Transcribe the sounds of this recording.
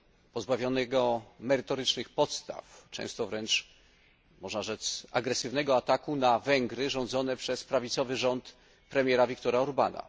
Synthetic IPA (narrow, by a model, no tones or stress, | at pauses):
pɔzbavʲjɔnɛɡɔmɛɾɘt̪ɔɾɘt͡ʂnɘxpɔt̪st̪a̰ft͡ʂɛ̰̃w̃st̪ɔvɾɛnt͡ʂ | mɔʐnaʐɛt̪sa̰ɡɾɛsɘvnɛɡɔat̪akunavɛŋɡɾɘʐɔ̃nd̪zɔnɛpʂɛspɾavʲit̪sɔvɘʐɔnt̪ | pɾɛmʲjɛɾavʲik̚t̪ɔɾaɔɾbana̰